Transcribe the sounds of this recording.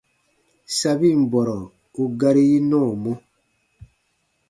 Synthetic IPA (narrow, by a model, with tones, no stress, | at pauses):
sa˦bi˦˨m̩˨bɔ˨ɾɔ˨ | o˨ɡa˦ɾi˦ji˦nɔ̃˦˨mo˦